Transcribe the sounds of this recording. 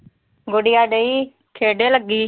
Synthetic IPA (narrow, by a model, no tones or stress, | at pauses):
ɡoɽɪjaːɖeiː | kʰeːɖeːləɡːiː